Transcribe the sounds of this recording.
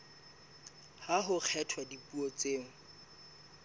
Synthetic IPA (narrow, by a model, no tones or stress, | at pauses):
haɦʊk͡xʰɛtʰwadipuɔt͡seːŋ̩